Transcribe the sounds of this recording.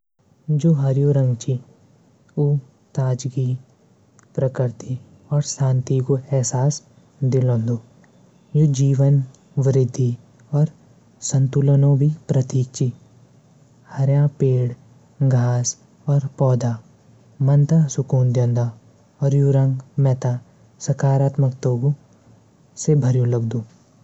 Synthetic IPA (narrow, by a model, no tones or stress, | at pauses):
d͡ʒoːɦɐɾjuːɾə̃ŋɡt͡ʃi | uː | t̪aːd͡ʒɡi | pɾəkɪɾt̪ʰi | ɔːɾsãːnt̪ikoɛɦsaːs | d̪ɪlõːnd̪oː | jod͡ʒiːʋən | ʋɪɾɪd̪ʱːi | ɔːɾ | sə̃nt̪ulənõbʱipɾət̪iːk̚t͡ʃi | hɐɾjãpeːɽ | ɡʱaːs | ɔːɾpɔːd̪a | mɐnt̪asʊkuːnd̪jə̃nd̪a | ɔːɾjuɾə̃ŋɡmɛt̪a | sɐkaːɾaːt̪məkt̪oːɡu | sebʱɐɾjũləɡd̪oː